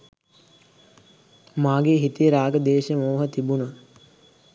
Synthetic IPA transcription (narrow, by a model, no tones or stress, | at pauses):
maːɡeːɦit̪ijəɾaːɡəd̪eːʃəmoːɦət̪ibunə